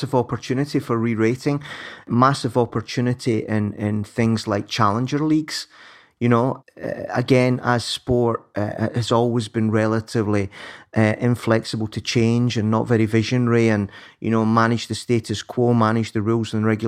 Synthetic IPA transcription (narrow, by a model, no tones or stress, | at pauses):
sɪvɔpə˞t͡ʃʰʉnɪʔifə˞ɹiɹeʔɪ̃ŋmasɪvɔpə˞t͡ʃʰʉnɪʔiʔɪ̃nɪ̃nθɪ̃ŋzlˠaɪk̚t͡ʃʰalˠɪ̃nd͡ʒə˞lˠiɡz̥ | jɨnoɛ̰ə̰ɡɛ̃nəz̥spɔɹʔhəzɔlˠwɪzbĩnɹɛlˠəʔɪvlˠiʔəʔɪ̃ɱflˠɛksɪbəl̩ˠtʰət͡ʃʰẽnd͡ʒə̃nːə̰ʔvɛɹivɪʒə̃nɹiə̃n | jʔɨ̰nomanɪd͡ʒðəsteʔʰəskʰw̥omanɪd͡ʒðəɹʉlˠzɪ̃nəɹɛɡj